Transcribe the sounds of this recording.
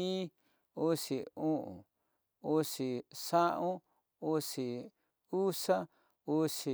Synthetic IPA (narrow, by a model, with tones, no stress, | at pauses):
i˦ | u˦si˨ũ˦ʔṵ̃˨ | u˦si˨sã˦ʔũ˦ | u˧si˨ | u˦sa˦ | u˧si˨